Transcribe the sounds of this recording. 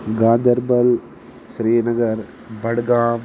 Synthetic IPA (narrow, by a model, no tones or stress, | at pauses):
ɡaːd̪ɐɾbɐl | sɾiːnɐɡɐɾ | bɐɽɡaːm